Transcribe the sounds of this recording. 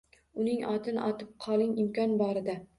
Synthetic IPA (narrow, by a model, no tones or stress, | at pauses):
ʊnɪŋɒt̪ʰɪn̰ʔɒt̪ʰɪp̚qʰɒlˠɪŋɪmkʲɒnbɒɾɪd̪a